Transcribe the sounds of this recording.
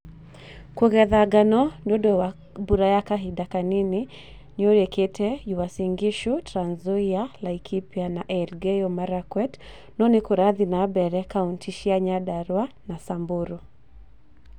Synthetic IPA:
kuɣɛðaɡanɔndɔɗɔ | buɾajakaɦiɗakanini | nɔɾɛkɛtʰɛjuwasiŋɡiʃutɾanzɔialaikʰipianaʔɛɾɡɛjɔmaɾakwɛt | nɔnikuɾaðinabɛɾɛkauntʰiʃiaɲaɗaɾwa | nasambuɾu

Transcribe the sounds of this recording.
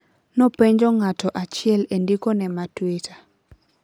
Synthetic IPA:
nɔpɛɲd͡ʒɔŋatɔʔat͡ʃɪɛlendikɔnɛmatwitʰa

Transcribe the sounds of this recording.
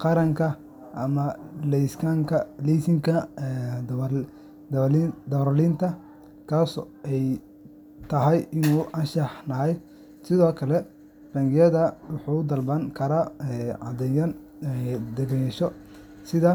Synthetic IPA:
qɑɾɐŋkʰɐ | ʔɐmɐlɛjskʰaŋkʰɐlisɪŋkʰɐ | d̪ɐɾlint̪ʰɐ | kʰaːsʔɛj | t̪ʰɐɦɛjɪnuːʔɐnʃɐħnɐɦɛj | sɪðɔːkʰɐlɛ | rɐŋɡɪjɐðɐwʊħuːʊd̪ɐlbɐŋkʰɐɾaːɛʕɑ̰d̪ɛjɐn | d̪ɐɣɛʃɔ | sɪðɐ

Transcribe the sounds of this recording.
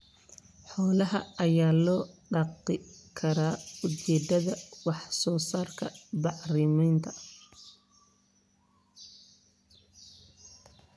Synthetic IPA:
ħɔːlɐɦɐ̰ʔɐjaːlɔːɖɑqɪkʰɐɾaːʊt͡ʃɛːd̪ɐðɐwɑħsɔːsaːrkʰɐbɑʕrɪmɛjnt̪ʰɐ

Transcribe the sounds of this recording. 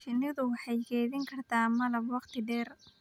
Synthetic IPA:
ʃɪnɪðʊwɑħɑjɡɛːðɪŋkʰɐrt̪ʰaːmɐlɐbwɑqt̪ʰɪɖɛːr

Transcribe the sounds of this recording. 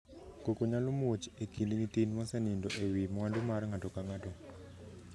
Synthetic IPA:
kokoɲalomot͡ʃekindɲitinmɔsɛnindɔʔewimwandumarŋatɔkaŋatɔ

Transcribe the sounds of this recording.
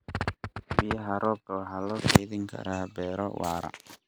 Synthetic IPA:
bɪjɐɦɐɾʔɔːbɔːɦɐlɔːkeðɪŋkʰɐ̰ɾaːbɛːɾɔ̰waːɾɐ̰

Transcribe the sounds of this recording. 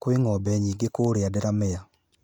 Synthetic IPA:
kweŋɔbɛɲiːɡekoɾeadɛɾamɛa

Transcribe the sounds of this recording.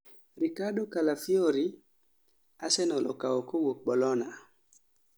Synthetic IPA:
ɾikaɗokalafioɾi | asɛnɔlɔ̰kaɔkowok̚ɓɔlɔna

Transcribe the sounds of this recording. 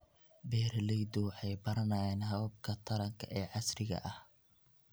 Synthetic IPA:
bɛːrlɛjd̪ɔwħɑjbɐɾɐnaːjɛːnɦɐwɐb̚kʰɐt̪ʰɐɾɐŋkʰɐʔɛːʕɑsrɪɣɐ̰ʔɐh

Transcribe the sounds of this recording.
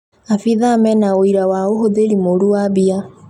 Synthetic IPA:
afiðamɛnaoiɾawaoɦoðeɾimoɾuwabia

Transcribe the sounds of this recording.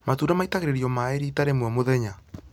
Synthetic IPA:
matuɾamaitaɣeɾeɾiɔmaeɾiːtaɾemwɔmoðɛɲa

